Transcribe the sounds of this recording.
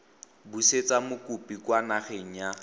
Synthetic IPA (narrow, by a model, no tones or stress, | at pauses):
buset͡samʊkʼupikwanaχeŋ̩ja